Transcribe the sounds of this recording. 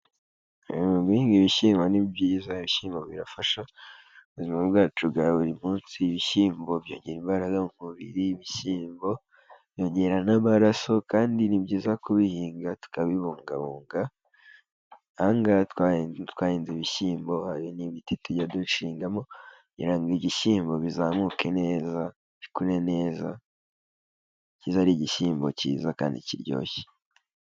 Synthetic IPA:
βihiːŋɡiβiʃiːmonibjizaiβiʃiːmboβiɾafaʃa | uβuzimabɡaːt͡ʃuɡaβuɾimuːnsiβiʃiːmbo̞bjo̞̰ːɲɟe̞ɾimbaɾaɡam̥uβiɾiβiʃiːmbo̞ | b̥jo̞ːɲɟe̞ɾanamaɾaso̞kaːndinibɟiːzakuβihiːŋɡatu̥kaβiβuːŋɡa̰βoːŋɡa | aŋɡatkwatwaːhiːnziβiʃiːmbo̞haɾiniβitituɟaduʃiːŋɡamo̞ | ɲḭɾaŋɡiɟiʃiːmbo̞βizaːmukʰe̞ne̞ːza | βikuɾe̞ne̞ːza̰ | cizaɾiɟiʃiːmbo̞̰cḭːza̰ka̰ːndḭciɾɟo̞̰ːçe̥

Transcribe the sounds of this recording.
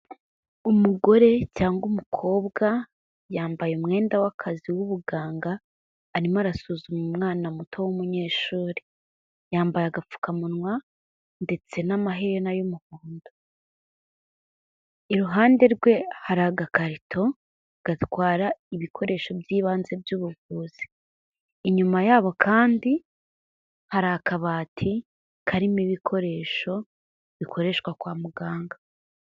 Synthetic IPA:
umuɡo̞ɾe̞caːŋɡumukʰo̞ːβɡa | jaːmbajeumŋe̞ːndawakʰaziwuβuɡaːŋɡaː | ɾimaɾasuzumumŋaːnamutʰo̞wumuɲe̞ːʃuːɾe | jaːmbajaɡafu̥kamunwa | nde̞t͡se̞namaɦeɾenajumuhuːndo | iɾuɦaːnde̞ɾɡwe̞haɾaɡakaɾitʰo̞ | ɡ̥atwaːɾaiβikʰo̞ɾe̞ːʃo̞bjiːβaːnze̞bjuːβuvuːz̥i̥ | iɲumajaːβo̞kʰaːndi | haɾakʰaβaːtʰi | kʰaɾimiβikʰo̞ɾe̞ːʃo̞ | βikʰo̞ɾe̞ʃkwakwaːmuɡaːŋɡa

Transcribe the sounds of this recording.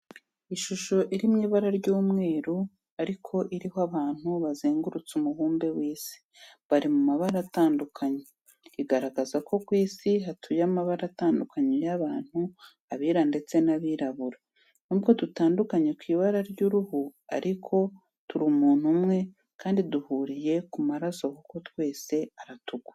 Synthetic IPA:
iʃuʃo̞ʔiɾimŋiːβaɾaɾɟuːmŋe̞ːɾu | aɾikʰo̞ʔiɾihoaβaːn̥huβazeːŋɡuɾut͡sumuɦuːmbe̞wiːsi̥ | βaɾimumaβaɾaataːndukʰaɲe | iɡaɾaɡazakʰo̞kwiːsiɦatʰujamaβaɾataːndukʰaɲejaβaːn̥hu | aβiːɾande̞t͡se̞naβiːɾaβuɾa | nubɡo̞dutaːndukaɲe̞kwiːβaɾaɾɟuɾuhua̰ɾikʰo̞ | tuɾimuːn̥humŋe̞ | kʰaːndiduhuːɾije̞kumaɾaso̞kuko̞twe̞ːse̞aɾatuɡwḁ

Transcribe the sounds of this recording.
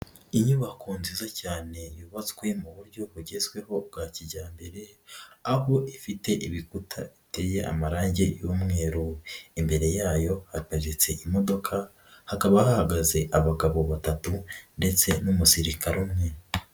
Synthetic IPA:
iɲuβakuːnzizacaːne̞juːβat͡swe̞muβuɾɟo̞βuɟe̞zwe̞ho̞bɡaciɟaːmbe̞ɾe̞aho̞ʔifite̞ʔiβikutʰa̰itejeʔa̰maɾaːɲɟe̞jumŋe̞ːɾuimbe̞ɾe̞jaːjo̞hataʒit͡se̞ʔimo̞do̞kʰa | hakaβahahaɡaze̞ʔaβaɡaβo̞βatatunde̞t͡se̞numusiɾikaɾumŋe

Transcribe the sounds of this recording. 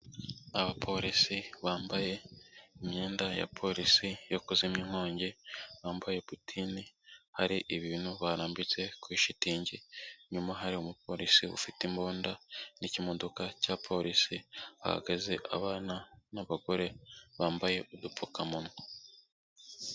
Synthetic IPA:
aβapʰo̞ɾisiβaːmbaje̞imɲe̞ːndaja̰pʰo̞ɾisijo̞kuzimɲiŋho̞ːɲɟeβaːmbaje̞putʰinihaɾiʔiβiːn̥huβaɾaːmbit͡se̞kwiʃitiːɲɟeɲumaɦaɾiomup̚ʰo̞ɾisiβṵfitimboːndanicimo̞do̞kacapʰo̞ɾisia̰ha̰ɡezeʔa̰βaːnanaβaɡo̞ɾe̞βaːmbaje̞ʔudupukamuno

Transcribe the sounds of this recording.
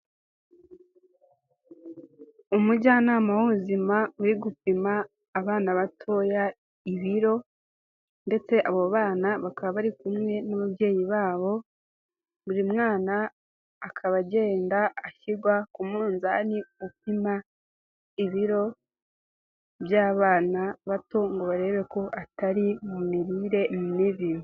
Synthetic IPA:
umuɟaːnaːmahuzimauɾiɡupimaː | βaːnaβatʰo̞ja | iβiɾo̞ | nde̞t͡se̞ʔaβoβaːnaβakaβaβaɾikumŋe̞naβabje̞ːjiβaːβo̞ | buɾimŋaːnaː | kʰaβaɟe̞ːndaːçiɡwakumuːnzaniupima | iβiɾo̞ | βjaːβaːnaβato̞ŋɡoβaɾe̞ːβe̞ko̞ʔataɾimumiɾiːɾe̞mniβiɾu

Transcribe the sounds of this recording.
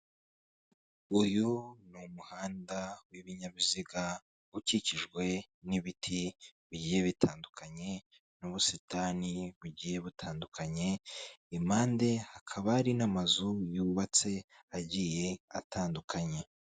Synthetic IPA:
ujunumuhaːndawiβiɲaβiziɡa | uciciʒɡwe̞ | niβitʰiβiɟije̞βitʰaːndukʰaɲe̞ | nuβusitaːniβuɟiːje̞βutʰaːndukʰaɲe̞imaːnde̞hakʰaβaɾinamazujuːβat͡se̞ | aɟije̞atʰaːndukʰaɲe̞

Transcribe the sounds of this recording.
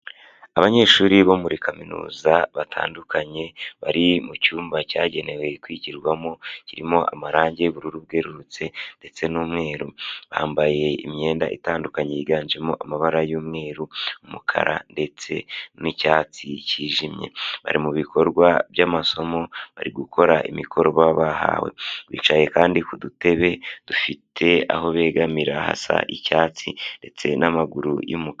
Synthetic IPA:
aβaɲe̞ːʃuːɾiβo̞muɾikʰaminṵːzaβatʰa̰ːndukaɲe̞βaɾimucuːmbacaɟe̞ne̞we̞kwiɟiɾɡwamo̞ciɾimo̞ʔa̰maɾaːɲɟeβuɾuɾuβ̚ɡe̞ɾuɾut͡se̞nde̞t͡se̞numŋe̞ːɾuβa̰ːmbaje̞ḭmɲe̞ːnda̰ʔḭtaːndukaɲejiɡaːnd͡ʒemoʔamaβaɾajuːmŋe̞ːɾuumukʰa̰ɾa̰nde̞t͡se̞̰nicaːt͡siciːʒimɲe̞̰βa̰ɾimuβikʰo̞ɾɡwaβjamaso̞mo̞βaɾiɡukʰo̞ɾaʔimikʰo̞ɾoβaβaha̰we̞̰wḭːt͡ʃaje̞kaːndikudute̞βe̞d̥ufitʰe̞a̰ɦo̞βe̞ːɡamiɾaha̰sa̰ʔicaːt͡sinde̞t͡se̞̰namaɡuɾṵjṵmuk

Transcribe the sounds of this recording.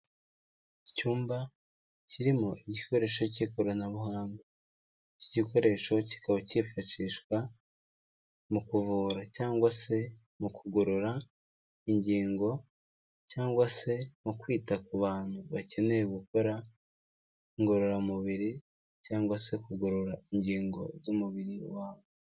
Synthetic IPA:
icuːmba | ciɾimo̞ʔiɟiko̞ɾe̞ːʃo̞ciko̞ɾanaβuhaːnɡe | ciɟiko̞ɾe̞ʃo̞ci̥kʰaβacifaʃiʃkwa | mukuvuːɾacaːŋɡwase̞ | mukʰuɡoɾoɾa | iɲɟiːŋɡo̞ | caːŋɡwase̞mukwiːtakuβaːn̥huβace̞ne̞ɾeɡuko̞ɾa | iŋɡo̞ɾoɾamuβiɾi | caːŋɡwase̞kuɡoɾoɾaiɲɟiːŋɡo̞̰zumuβiɾiwaːβo

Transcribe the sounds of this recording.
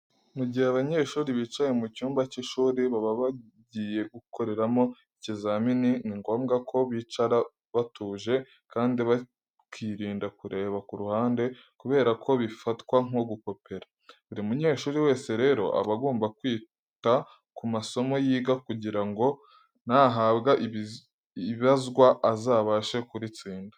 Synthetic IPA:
muɟijaβaɲe̞ːʃuːɾiβiːt͡ʃaje̞mucuːmbaciʃuːɾiβaβaβa | ɟije̞ɡukʰo̞ɾe̞ɾamo̞ | icizamininiŋɡo̞ːmɡakʰo̞βiːt͡ʃaɾa | βatuːʒe̞ | kaːndiβa | kiɾiːndakuɾe̞ːβakuɾuhaːnde̞ | kuβe̞ːɾakʰo̞βifatkwaŋ̥o̞ɡuko̞pe̞ɾḁ | uɾiumuɲe̞ːʃuːɾiwe̞ːse̞ɾe̞ːɾo̞̰ʔa̰βaɡoːmbakwiː | ta | kumaso̞mo̞jiːɡakuɟiɾaŋɡo̞ | naːɦabɡaʔ | iβazɡwaʔazaːβaʃekuɾit͡siːndḁ

